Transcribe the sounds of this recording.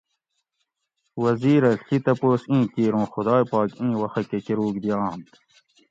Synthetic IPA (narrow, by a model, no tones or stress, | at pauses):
wɐziːɾɐɬit̪ɐpoːsĩːkiːɾõːxʊd̪aːjpɑːkĩːwɐxɐkekeɾuːkd̪ijãːnt̪